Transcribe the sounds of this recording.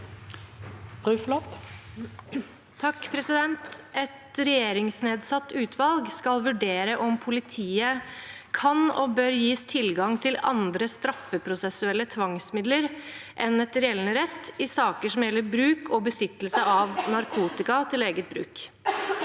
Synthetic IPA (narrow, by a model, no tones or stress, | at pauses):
b̥ɾʉːflɔt̪ | t̪ʰɑkːpʰɾɛsɪd̪ɛnt̪ɛt̪ɾɛjeːɾɪŋsneːd̪sɑt̪ːʉːt̪ʰʋɑlɡskɑlʋʉɖeːɾəʔɔmpʰʊlɪt̪ʰiːəkʰɑnɔ̰bøːɾjiːst̪ʰɪlɡɑŋt̪ʰɪlɑ̰nd̪ɾəst̪ɾɑfːəpʰɾʊsɛsʉɛlːət̪ʰʋɑŋsmɪd̪ləɾʔɛnɛt̪ɾɛɛlnəɾɛt̪ːɪsɑːkəʂɔmjɛlːəɾbɾʉːkʰɔbəsɪt̪ːlsəɑʋnɑɾkʰuːt̪ɪkɑt̪ʰɪleːɡət̪̚bɾʉ̰ːk